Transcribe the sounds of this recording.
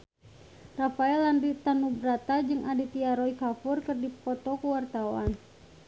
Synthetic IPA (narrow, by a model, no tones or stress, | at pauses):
rafaɛlandit̪anubɾat̪ad͡ʒɨŋʔadit̪iaɾɔikafurkɨrdipɔt̪ɔkuwart̪awa̰n